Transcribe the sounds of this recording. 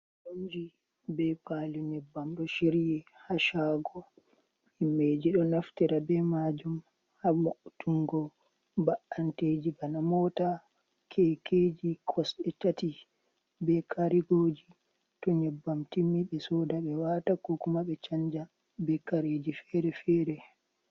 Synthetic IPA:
d͡ʒond͡ʒi | bɛpaːliɲɛbːamɗɔʃiɾjɛhaʃaːɡɔ | himed͡ʒiɗɔnaftiɾabɛmad͡ʒum | hamaʔutuŋɡɔ | baʔanted͡ʒibanamɔta | kʰɛked͡ʒikʰɔsɗɛt͡ʃati | bɛkʰaɾiɡoːd͡ʒi | tɔɲɛbːamtimːiɓɛsɔdaɓɛwatakɔkumaɓɛt͡ʃaɲd͡ʒa | bɛkaɾed͡ʒifɛɾɛfɛːɾɛ

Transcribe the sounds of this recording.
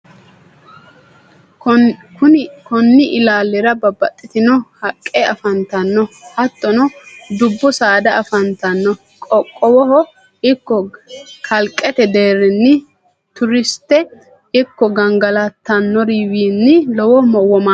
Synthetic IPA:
kʊnkɔnːɪʔɪlaːlːɛɾɐbɐbɐt̪ʼːɪt̪ɪnɔhɐkʼːeɐfɐnt̪ɐnːɔhɐt̪ːɔnɔd̪ʊbːɔsaːd̪ɐːfɐnt̪ɐnːɔ | kʼɔkʼːɔwɔɦɔ | ɪkːɔkʰɐlkʼːɛt̪ɛd̪e̞ːɾɪnːɪ | t̪ʊɾɪst̪ːɛ | ɪkːɔɡɐŋɡɐlɐt̪ːɐnːɔɾiwiːnːɪlɔwɔmɔwːɔma

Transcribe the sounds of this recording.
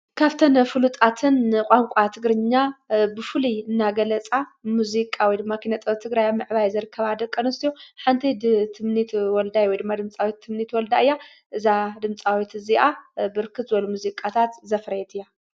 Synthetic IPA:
kʰaβt̪ʰɐnfɨlut̪ʼat̪ʰɨnkʼaŋkʷʼat̪ʰɨɡɾɨɲːabɨfɨliɨnːaɡɐlɐt͡sʼamuzikʼawɔjd̪ɨmːakʰinɐt̪ʼɐβt̪ʰːɨɡɾajamɨʕβajzɨɾɨkʰːɐβad̪ɐkʼːɐnɐst̪ijoħant̪ʰid̪t̪ʰːɨmnit̪wɔld̪ajwɔjd̪ɨmːad̪ɨmt͡sʼawit̪ʰːɨmnit̪wɔld̪aɨjːa | ʔɨzad̪ɨmt͡sʼawit̪ɨziʔabɨɾkʰɨt̪zɨbɐlumuzikʼat̪ʰat̪zɐfɾɐjɛt̪ʰɨjːa

